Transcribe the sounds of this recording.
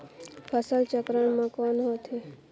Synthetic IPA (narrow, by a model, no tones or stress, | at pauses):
pʰəsəlt͡ʃəkɾəɳmãkɔnɦot̪ʰe